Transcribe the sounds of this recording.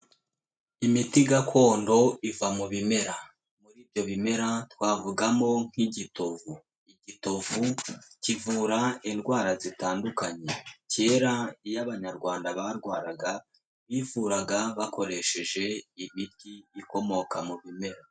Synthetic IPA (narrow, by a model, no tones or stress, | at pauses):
imitiɡakʰo̞ːndo̞ivamuβime̞ɾa | muɾiːvɟo̞βime̞ɾatwaːvuɡamo̞ŋ̥hiɟitovu | iɟito̞vucivuːɾaindɡwaːɾazitaːndukaɲe̞ce̞ːɾaijaβaɲaɾɡwaːndaβaɾɡwaːɾaɡa | βivuɾaɡaβako̞ɾe̞ʃe̞ʒe̞imitiːko̞mo̞kamuβime̞ɾa